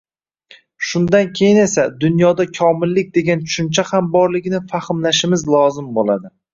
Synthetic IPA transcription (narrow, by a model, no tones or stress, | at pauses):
ʃʊnd̪ankʲʰe̞jɪne̞sad̪ʊnjɒd̪akʲʰɒmɪlːɪk̚ʲd̪e̞ɡʲant͡ʃʰʊ̥ʃʊnt͡ʃʰahambɒɾlɪɡʲnɪfaχɪmlaʃɪmɪzlˠɒzɪmbolˠad̪ɪ